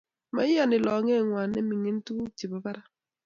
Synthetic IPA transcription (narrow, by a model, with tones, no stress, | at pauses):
ma˨˦ɪ˦ja˨nɪ˨lɔ˨ŋɛ˦˨ŋwa˨nɛ˦mi˨ŋe˦n˦tu˦t͡ʃi˨ba˨ba˦ɾa˦